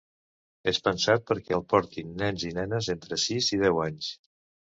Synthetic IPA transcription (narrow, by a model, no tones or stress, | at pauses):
espənsat̪̚pəɾkɛlˠpɔɾt̪inːɛnzinɛnəzent̪ɾəsizið̞ɛwaɲs